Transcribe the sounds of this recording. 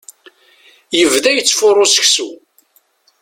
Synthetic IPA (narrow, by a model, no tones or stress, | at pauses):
jəvðæjət͡sːfʊrˤːosə̥çsu